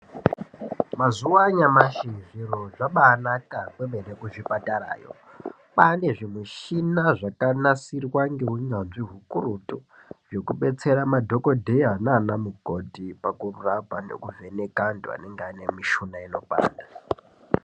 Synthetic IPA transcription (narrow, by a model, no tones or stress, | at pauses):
mazuwaɲamaʃiʐiɾoʐaɓaːnakakwembeɾekuʐipataɾa̰ːjo̰ | pane̞ʐimuʃinaʐakanasirwaŋɡe̞uɲanziɦukurutu | ʐo̞kuɓe̞t͡se̞ɾamadʱo̞ko̞dʱeananamuɡʱo̞dʱipakururabʱanḛkuve̞nekandoa̰neŋɡeane̞miʃunaino̞pa̰ːnda